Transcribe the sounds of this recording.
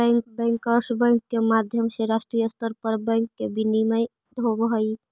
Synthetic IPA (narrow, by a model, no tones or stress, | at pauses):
ɛŋkbɛ̃ŋkəɾsbəŋkːemad̪ʱjəmseɾasʈɾijəst̪əɾpəɾbɛ̃ŋkːebiniməj | ɦobɦəj